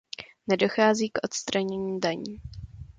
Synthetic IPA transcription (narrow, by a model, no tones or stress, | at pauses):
nɛdo̞xaːziːkʔo̞t̪st̪ɾaɲɛɲiːdaɲḭː